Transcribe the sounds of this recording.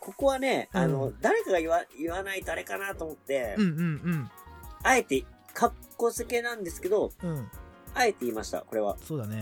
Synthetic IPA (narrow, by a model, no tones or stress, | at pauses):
ko̞ko̞βane̞ano̞d̪aɾe̞kaɡaiβaiβanait̪aɾe̞kanat̪o̞ːmo̞t̪ːẽ̞ɯɯ̃ɴae̞t̪e̞ | kʰakːo̞seke̞nãnd̪e̞sɨ̥ke̞d̪õ̞ | ae̞t̪e̞iːmaɕi̥t̪a̰ko̞ɾe̞βa̰soːd̪ane